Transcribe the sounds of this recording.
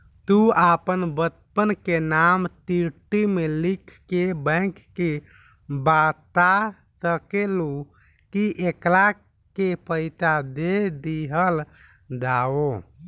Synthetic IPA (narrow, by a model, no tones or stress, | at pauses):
t̪uapənbət̪̚pənkenamt̪iɾʈimelikʰːebə̃kːe | bat̪a | səkelu | kiʔekla | kepʰəɪt̪ad̪ed̪iɦəl | d̪ao